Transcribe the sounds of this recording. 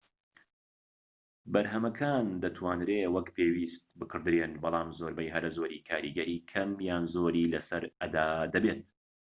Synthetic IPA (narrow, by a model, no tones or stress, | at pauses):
bɐɾɦɐmɐkʰaːnd̪ɐt̪ʰwaːnɾewɐkpʰeːwiːst̪̚bɨkʰɨɾd̪ɾeːnbɑlˠɑːmzoːɾbɐjɦɐɾɐzoːɾiːkʰaːɾiɡɐɾiːkʰɐmjaːnzoːɾiːlɐsɐɾɐd̪aːd̪ɐbeːt̪̚